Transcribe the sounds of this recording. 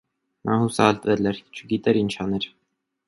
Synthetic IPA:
nʔɑhusɑ̰ɛlt̪vɛlɛɾt͡ʃʰəɡit̪ɛɾint͡ʃʰɑnɛɾ

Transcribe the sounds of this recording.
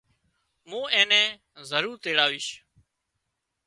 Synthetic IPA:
mũːẽːnɛ̃ː | zəɾuːɾt̪eːɽaːʋiːʃ

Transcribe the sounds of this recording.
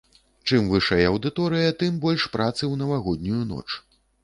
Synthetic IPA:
t͡ʂɨmvɨʂɐjɐɐwd̪ɨt̪ɔɾɨjɐt̪ɨmbɔlʲʂpɾʔat̪sɨwnɐvaɣɔd̪̚ʲnʲujunɔ̰t͡ʂ

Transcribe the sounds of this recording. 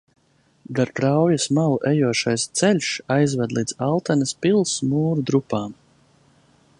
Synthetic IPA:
d̪aɾt̪ɾawjasmawʔɛjuɔʃajst̪sɛlʲʃajzvad̪lˠiːd̪zalˠt̪anɐspilˠsmuːɾud̪ɾupaːm

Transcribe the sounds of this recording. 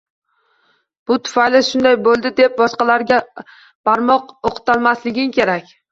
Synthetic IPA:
b̥ʊt̪ʰʊ̥fajlɪʃʊnd̪ajbolˠd̪ɪd̪e̞p̚bɒsqɑlaɾɡʲa | paɾmɒqoqʰɨ̥t̪alˠmaslɪɡʲɪmkʲʰe̞ɾakʲ

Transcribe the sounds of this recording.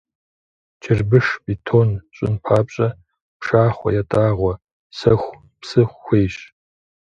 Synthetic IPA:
t͡ʃʰɪrbɨʂpʼitʰoːnɕʼɪ̰npʰaːpʼɕʼɐ | pʂaːχʷɔ̰jɛtʼaːʁʷɔ | sɐxʷ | psɨχʷxʷeːjɕ

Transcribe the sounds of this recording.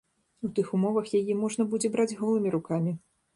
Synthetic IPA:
ut̪ɨxumɔvɐxjajimɔʐn̪ɐbud͡zʲɛbɾad͡zʲɣɔlˠɨmʲiɾukamʲi

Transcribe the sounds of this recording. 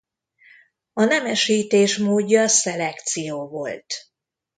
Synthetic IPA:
ɒnɛmɛʃiːt̪eːʃmoːɟːɒsɛlɛkt̪sijoːvo̞̰lt̪

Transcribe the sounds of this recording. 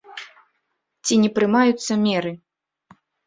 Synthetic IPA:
t͡sʲinʲɛpɾɨmajut̪sːɐmʲɛɾɨ

